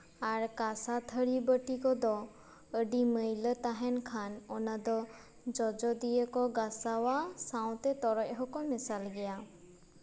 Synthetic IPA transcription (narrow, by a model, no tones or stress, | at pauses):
aɾkasat̪ʰəɽibəʈikɔd̪ɔ | əɖiməjlət̪aɦɛnkʰanɔnad̪ɔ | d͡ʒɔd͡ʒɔd̪ijəkɔɡasawasãw̃t̪ɛt̪ɔɾɔc̚ɦɔkɔmɛsalɡɛja